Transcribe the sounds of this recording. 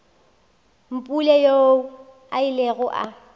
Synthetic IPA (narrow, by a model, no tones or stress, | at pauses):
m̩pʼulejou | aileɣʊʔa̰